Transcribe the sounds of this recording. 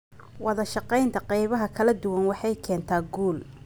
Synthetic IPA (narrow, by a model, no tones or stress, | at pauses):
wɑðɐʃɑqɛjnt̪ʰɐqɛjβɐɦɐkʰɐlɐd̪ʊwɐnwɑħɑjkʰɛːnt̪ʰaːɡuːl